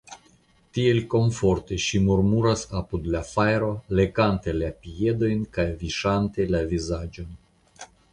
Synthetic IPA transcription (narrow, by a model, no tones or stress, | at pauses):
tie̞lko̞ɱfo̞ɾt̪e̞ʃimuɾmuɾasapud̪lafajɾo̞le̞kant̪e̞lapie̞d̪o̞jnkajviʃant̪e̞lavizad͡ʒon